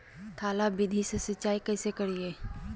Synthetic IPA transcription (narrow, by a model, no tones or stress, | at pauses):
t̪ʰaːlaːbɪd̪ʱisesət͡ʃaːikəːseːkəɽieː